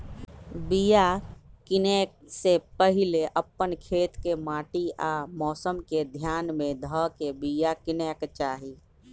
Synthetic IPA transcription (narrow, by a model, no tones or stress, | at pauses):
bijakɪnɛːk̚sepəɦɪleʔəpːənkʰeːt̪kemaːʈiaːmɔːsəmked̪ʱjaːnmẽd̪ʱəkebijakɪnɛːkt͡ʃaːɦiː